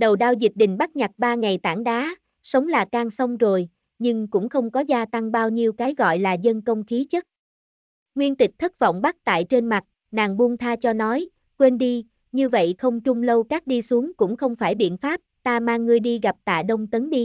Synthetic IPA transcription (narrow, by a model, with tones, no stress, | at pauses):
ɗə˨˩wɗaː˧wzi˨˩t̚ɗï˨˩ŋ̟ɓa˦˥k̚ɲa˨˩t̚ɓaː˧ŋa˨˩jt̪a̰ː˧˩ŋɗaː˨˦ | sə˨˦wŋ͡mlaː˨˩kaː˧ŋsə˧wŋ͡mzo˨˩j | ɲɨ˧ŋkʊ̰˧˥ŋ͡mxə˧wŋ͡mkɔ˨˦zaː˧t̪a˧ŋɓaː˧wɲi˧əwkaː˨˦jɣɔ̰˧˨jlaː˨˩zə˧nkə˧wŋ͡mxi˨˦t͡ɕə˦˥t̚ | ŋwi˧ənt̪ï˨˩k̚t̪ʰə˦˥t̚vɔ̰˧˨wŋ͡mɓa˦˥k̚t̪a̰ː˧˨jt͡ɕe˧nma˨˩t̚ | naː˨˩ŋɓu˧əŋt̪ʰaː˧t͡ɕɔ˧nɔ˨˦j | kwe˧nɗi˧ | ɲɨ˧və̰˧˨jxə˧wŋ͡mt͡ɕʊ˧ŋ͡mlə˧wkaː˦˥k̚ɗi˧su˨˦əŋkʊ̰˧˥ŋ͡mxə˧wŋ͡mfaː˧˩jɓḭ˧˨ənfaː˦˥p̚t̪aː˧maː˧ŋːɨ˧əjɗi˧ɣa˨˩p̚t̪a̰ː˧˨ɗə˧wŋ͡mt̪ə˨˦nɗi˧